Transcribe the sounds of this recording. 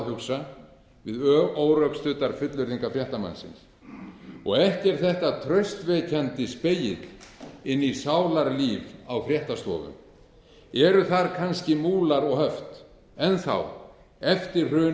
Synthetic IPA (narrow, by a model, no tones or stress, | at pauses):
hʏksa | vɪðoːwɾœkst̪ʏt̪aɾ̥fʏt̪lʏɾðiŋkafɾjɛht̪ama̰nːsɪ̰ns | ɔɣɛhcɛɾ̥θɛht̪at̪ʰɾœɥst̪vɛːcʰɛnt̪ɪspejɪt̪lɪnːisaːwlaɾliːvawfɾjɛht̪ast̪ɔ̰ːvʏ̰m | ɛɾʏθaɾkʰanscɪmuːlaɾɔɣɦœft̪ | ɛnθa̰w | ɛft̪ɪr̥rœː